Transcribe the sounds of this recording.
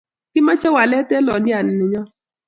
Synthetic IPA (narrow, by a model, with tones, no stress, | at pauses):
kɪ˦ma˦t͡ʃɛ˦wa˨lɛ˦tɛ˦lɔ˨nɪ˦a˨nɪ˨nɪ˨ɲɔ˦